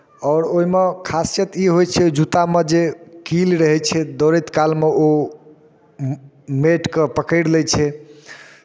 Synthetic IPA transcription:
ɔːɾoɦimekʰast͡ʃet̪iɦojt͡ʃʰɛd͡ʒut̪amed͡ʒekilɾəɦɛt͡ʃʰɛd̪oɾet̪kalmeo | meʈkepəkəɽlɛt͡ʃʰɛ

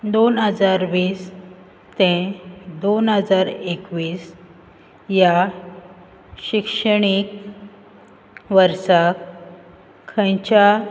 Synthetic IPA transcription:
d̪onɦəd͡zaɾʋiːs | t̪ẽd̪onɦəd͡zaɾekʋiːs | ja | ɕikʂəɳ̃ik | ʋəɾsak | kʰːə̃jt͡ɕa

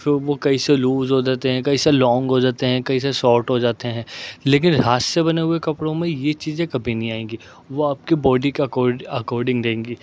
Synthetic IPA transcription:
fɪɾʋokɐiseluːzɦod͡ʒaːt̪eɦɛ̃kɐiselɔ̃ːŋɡɦod͡ʒaːt̪eɦɛ̃kɐis̬eʃɔːɾʈɦod͡ʒaːt̪eɦɛ̃ːleːk̬ɪnɾaːssebɐneɦʊekɐpɽõmẽjet͡ʃiːzẽkɐbʱinɐɦĩaːẽːɡiː | ʋoaːp̚kibɔːɖikɐkɔːɾɖɐkɔːɾɖɪ̃ŋɡɾẽːŋɡiː

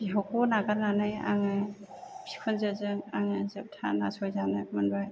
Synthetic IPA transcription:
b̥iɦawkɔnaɡaɾnanɯja̰ŋɯj | pʰi̥kʰɔnzɯzɯŋaŋɯzɯp̚tʰa̰na̰sɔjzanɯmanbaj

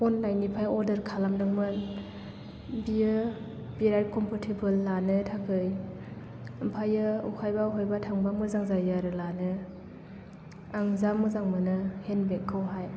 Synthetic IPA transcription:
ɔnːajnipʰajɔɾdɯɾkʰalamdɯŋmɯn | biɯ | b̥iɾad̚kʰɔmpʰatʰibɯlːanɯtʰakʰɯj | ɯmpʰajɯukʰajbaukʰajbatʰaŋbamɯzaŋzajaɾɯlanɯ | aŋzamɯzaŋmɯnɯhenbekʰːɯwɦaj

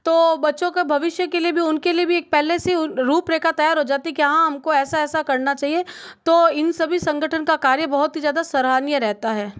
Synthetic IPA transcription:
t̪oːbɐtːʃõkebʱɐʋɪʃjəkeliebʱiʊnkeliebʱieːk̚pɛːleseʊɾuːpɾeːkat̪ɐjaːɾɦod͡ʒaːt̪iɛkiɐɦãɦɐmkoɛːsaɛːsakɐɾnat͡ʃaːɦiet̪oːɪnsɐbʱisɐ̃ŋɡəʈʰənkakaːɾjəbɐɦʊt̪ɦizjaːd̪asɐɾɦaːnjəɾɛɦt̪aɦɛː

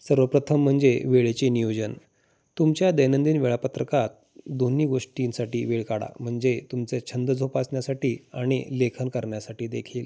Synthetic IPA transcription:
səɾʋəpɾət̪ʰəm̤ːəɳd͡zeʋeɭet͡ɕenijod͡ʑən | t̪umt͡ɕjad̪əjnənd̪iːnʋeɭapət̪ɾəkat̪̚ | d̪oniːɡoʂʈinsaʈiːʋeɭkaɽa̰m̤əɳd͡zet̪umt͡set͡ɕʰənd̪əd͡zʱopasɳjasaʈiːaɽ̃ḭlekʰənkəɾɳjasaʈiːd̪ekʰiːl

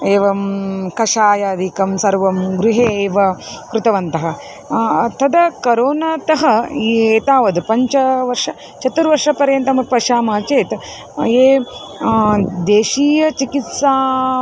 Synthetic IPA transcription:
eːʋɐmkɐʂaːjaːd̪ikɐmsɐɾʋɐmɡɾuɦeːʋɐkɾut̪ɐʋɐnt̪ɐɦɐ̆ | t̪ʰɐd̪ɐkɐɾoːnɐt̪ɐɦɐieːt̪aːʋɐd̪pɐɲt͡ʃɐʋɐɾʂɐ | t͡ʃʰɐt̪uɾʋɐɾʂɐpɐɾjɐnt̪ɐmɐpɐʃaːmɐːt͡ʃeːt̪ | eː | d̪eːʃiːjɐt͡ʃikit̪saː

